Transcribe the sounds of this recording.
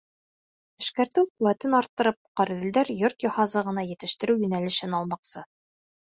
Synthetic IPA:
ɘ̆ʃkæɾt̪ɘwquwæt̪ɘnɑɾt̪ːɤ̆ɾɤp̚qɑɾ̆ðɘ̆ld̪æɾjoɾt̪jɑhɑzɤʁɤ̆nɑjɘ̆t̪ɘ̆ʃt̪ɘ̆ɾɘwjɵ̆nælɘ̆ʃɘnɑlˠmɑqsɤ

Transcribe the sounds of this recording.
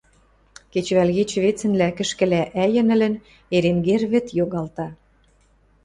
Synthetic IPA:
ket͡ɕβælɣet͡ɕβet͡sə̆nlækə̆ʃkɘ̆læʔæjə̆nə̆lə̆n | eɾemɡerβɘ̆t̪joɣɑlt̪ɑ

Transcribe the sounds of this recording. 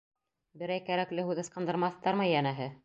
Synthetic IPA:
bɘ̆ɾæjkæɾæklɘhʉðɤ̆sqɤ̆nd̪ɤ̆ɾmɑθt̪ɑɾmɤjænæɦɘ

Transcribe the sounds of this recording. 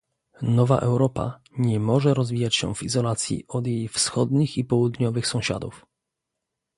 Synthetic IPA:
nɔva̰ʔɛwɾɔpa̰ | ɲɛmɔʐɛɾɔzvʲijat͡ɕɕɛ̰̃w̃vizɔlat̪sʲjḭɔd̪jejfsxɔd̪ɲixipɔwud̪ɲɔvɘxsɔ̃w̃ɕa̰d̪uf

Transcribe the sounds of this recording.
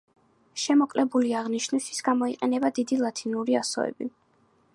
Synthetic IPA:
ʃɛmɔkʼlɛbuliaʁniʃnist̪ʰi̥sɡ̥amɔiqʼɛnɛbad̪id̪ilˠat̪ʰinuɾiasɔ̰ɛ̰bi

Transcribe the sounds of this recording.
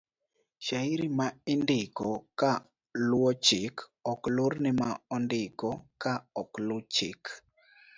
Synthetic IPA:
ʃaiɾimaɪndɪkɔka | lwɔt͡ʃɪkɔklʊɾnɪmaɔndɪkɔkaɔklʊt͡ʃɪk

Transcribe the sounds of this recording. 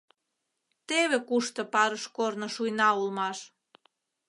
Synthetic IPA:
t̪eβekuʃt̪ɤ̆pɑɾəʃkornŏʃujnɑulmɑʃ

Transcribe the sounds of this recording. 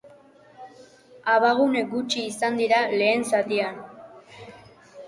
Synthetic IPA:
aβaɣune̞k̚ɡut͡ʃiːsand̪iɾale̞ːnsat̪ian

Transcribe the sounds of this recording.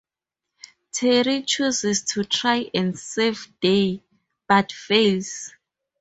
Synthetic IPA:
tʰɛɹit͡ʃʰuzɛstʰutʰɹajʔɛ̃ndsevde | b̥atfes

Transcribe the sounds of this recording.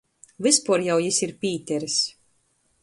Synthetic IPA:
vɨspuɔɾjawjisiɾpʲiːt̪ʲɛɾis

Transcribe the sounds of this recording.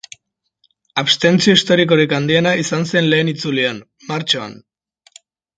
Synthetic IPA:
aβst̪e̞nt͡sio̞ist̪o̞ɾiko̞ɾikand̪ie̞naisanse̞nle̞ːnit͡sulian | maɾt͡ʃoa̰n

